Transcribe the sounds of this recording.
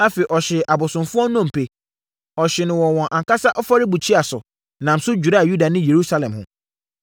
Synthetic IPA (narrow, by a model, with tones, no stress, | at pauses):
a˦fe˨ʔɔ˨ɕɪ˨ʔa˨bʊ˨sʊ̃˨mfʊ˦ɔ˦nɔ̃˦m̩˨pʰe˨ | ɔ˨ɕɪ˨nɪ̃˨wɔ̃˨wɔ̃˨ʔa˨ka˦sa˦ʔɔ˦fa˦ɾɪ˦bu˨t͡ɕʰi˦a˨sʊ̰˨ | nã˨m̩˨sʊ˦d͡ʑᶣu˨ɾa˦a˨ju˦da˨nɪ̃˦je˨ɾu˦sa˦lɛ̃˨mhʊ̰̃˨